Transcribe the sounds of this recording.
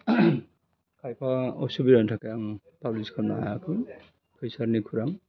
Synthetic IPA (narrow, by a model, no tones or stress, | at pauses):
kʰajpʰaɔsubiɾantʰakajaŋ | pabliskʰana̰a̰jakʰɯn | pʰɯjsaɾnikʰuɾaŋ